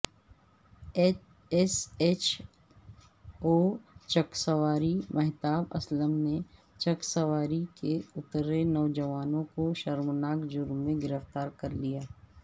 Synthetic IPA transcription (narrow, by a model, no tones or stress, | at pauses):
ɛset͡ʃ | oːt͡ʃɐksəʋaːɾimɛɦt̪aːbɐ̰sləmne | t͡ʃɐksəʋaːɾikeʊt̪ɾenɔːd͡ʒəʋaːnõkoʃɐɾmnaːkd͡ʒʊɾmːẽɡɪɾəft̪aːɾkɐɾlijaː